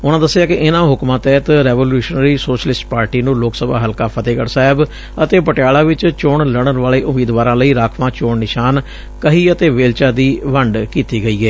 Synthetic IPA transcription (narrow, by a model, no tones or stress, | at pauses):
ʊnãːd̪əsːɪaːkɪʔɪnãːɦʊkmãːt̪ɛːt̪ɾɛːʋoːljuːʃnəɾiːsoːʃəlɪsʈpaːɾʈiːnũːloːksəba̰ːɦəlkaːpʰət̪eːɡəɽsaːɦɪb | ət̪eːpəʈɪjaːlaːʋɪt͡ʃt͡ʃoːɳləɽ̃ənʋaːɭeːʔʊmiːd̪ʋaːɾãːləiːɾaːkʰʋãːt͡ʃoːɳnɪʃaːn | kəɦiːət̪eːʋeːlt͡ʃaːd̪iːʋəɳɖkiːt̪iːɡəiːɛː